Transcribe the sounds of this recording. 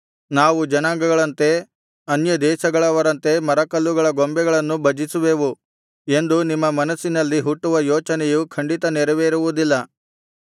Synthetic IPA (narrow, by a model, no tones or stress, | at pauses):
naːʋud͡ʒɐnaːŋɡɐɡɐɭɐnt̪e̞ | ɐnjɐd̪ɛːʃɐɡɐɭɐʋɐɾɐnt̪e̞mɐɾɐkɐlːuɡɐɭɐɡombɛɡɐɭɐnːubɐd͡ʒisuʋe̞ːʋu | e̞nd̪unimːɐmɐnɐsːinɐlːiɦuʈːuʋɐjɔːt͡ʃɐnɛjukʰɐɳɖit̪ɐnɛɾɐʋeːɾuʋud̪ilːɐ